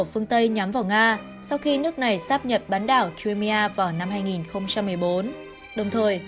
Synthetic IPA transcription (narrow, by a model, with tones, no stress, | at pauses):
fɨ˧əŋt̪ə˧jɲa˨˦mvaː˨˩wŋaː˧ | sa˧wxi˧nɨ˦˥ək̚na˨˩jsaː˦˥p̚ɲə˨˩p̚ɓaː˨˦nɗaː˧˩wki˧mi˧ʔaː˧vaː˨˩wna˧mhaː˧jŋi˨˩nxə˧wŋ͡mt͡ɕa˧mːɨ˨˩əjɓo˨˦n | ɗə˨˩wŋ͡mt̪ʰəː˨˩j